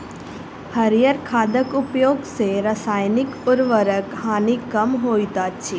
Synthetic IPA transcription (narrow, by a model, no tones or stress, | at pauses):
hɐɾijəɾkʰaːd̪əkʊpjoːɡseɾəsaːjnɪkʊɾʋəɾəkhaːnikːɐmɦoːit̪aːt͡ʃʰiː